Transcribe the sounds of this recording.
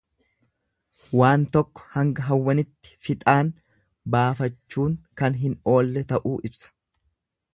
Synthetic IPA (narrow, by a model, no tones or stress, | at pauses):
waːnt̪ɔkːɔ̥hɐŋɡɐɦɐwːɐnɪt̪ːɪ̥fɪt̪ʼaːn | baːfɐt͡ʃːuːŋkɐnɦɪno̞ːlːɛt̪ɐʔuːʔɪbsɐ̥